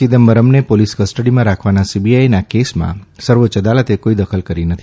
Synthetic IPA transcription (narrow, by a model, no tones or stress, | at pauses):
id̪əmbəɾəmnepoliskəsʈəɽimãɾakʰʋanasibiajnakesmã̰səɾʋot͡ʃəd̪alət̪ekoid̪əkʰəlkəɾinət̪ʰi